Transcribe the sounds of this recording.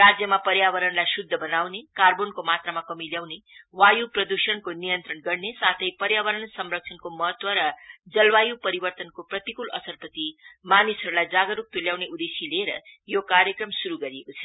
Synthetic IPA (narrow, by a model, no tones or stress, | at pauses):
rad͡zjʌmapʌɾjaβʌɾʌnlajsud̪ʱːʌbʌnawnekarbonkomat̪ramakʌmiljawnewajuprʌd̪usʌnkonijʌnt̪ɾʌnɡʌrnesat̪ʰʌjpʌɾjaβʌɾʌnsʌmrʌk̚t͡sʰʌnkomʌɦʌt̪wʌɾʌd͡zʌlwajupʌɾibʌrt̪ʌnkoprʌt̪ikulʌ̰sʌrpʌt̪imanisʌɾulajd͡zaɡʌɾuk̚t̪uljawneud̪esileɾʌ̰jokaɾjʌkrʌmsuɾuɡʌɾijekot͡sʰʌ